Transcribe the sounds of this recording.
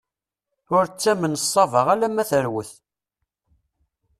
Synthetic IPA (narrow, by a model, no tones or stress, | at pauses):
ʊɾt͡sːæmənəsˤːɑvəʁælæmːæθəɾwəθ